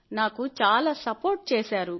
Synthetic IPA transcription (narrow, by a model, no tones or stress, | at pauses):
naːkut͡ʃaːlaːsɐpoːɾʈ̚t͡ʃeːsaːɾu